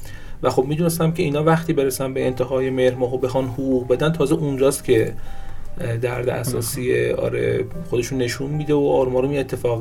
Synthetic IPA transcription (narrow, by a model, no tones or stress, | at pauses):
væxo̞bmiːd̪unes̬t̪æmcʲʰeiːnɒːvæχt̪ʰiːbe̞ɾesænbeːnt̪ʰeɦɒːjemehɾmɒːɦobe̞xɒnhoɣuːɣbe̞d̪ænt̪ʰɒːzeʔund͡ʒɒːst̪cʰʲe̞ | d̪æɾd̪eʔæ̰sɒːsiːḛɒ̰ːɾḛxo̞d̪e̞ʃunːe̞ʃunmiːd̪eoʔɒːɾumɒːɾomiet̪ʰːe̞fɒːɣ